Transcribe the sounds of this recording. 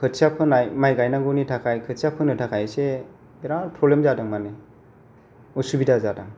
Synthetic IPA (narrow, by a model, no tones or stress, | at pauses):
kʰɯtsapʰɯnajmajɡajnaŋɡɔnitʰakʰajkʰɯtsapʰɯnɯtʰakʰajse | beɾaɾpʰɾɔblemzadaŋmane | ɔsubidazadaŋ